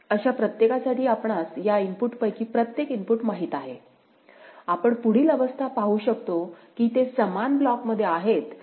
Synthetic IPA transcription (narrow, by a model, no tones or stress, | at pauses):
əɕapɾət̪jekasaʈiːapɳasjaimpuʈpəjkiːpɾət̪jekimpuʈmaɦiːt̪aɦe | apəɳpuɽ̤iːləʋəst̪ʰapaɦuɕəkt̪okiːt̪esəmanblɔkməd̪ʱːjeaɦet̪